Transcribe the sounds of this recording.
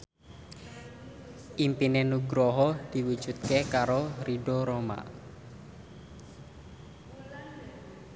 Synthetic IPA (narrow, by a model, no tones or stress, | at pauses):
ʔimpinenuɡɾɔɦɔd̪̥i̤wu̥d͡ʒ̥ṳt̪̚kekaɾoɾiɖoɾoma̰